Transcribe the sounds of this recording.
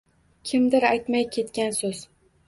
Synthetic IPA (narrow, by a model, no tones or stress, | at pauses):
kʲʰɪmd̪ɪɾajt̪majkʲʰe̞t̪kʲansɵz